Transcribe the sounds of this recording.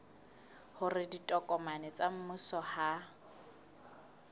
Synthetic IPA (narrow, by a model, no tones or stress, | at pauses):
hʊrɪditʼɔkʼɔmanɛt͡sʼam̩mʊsɔha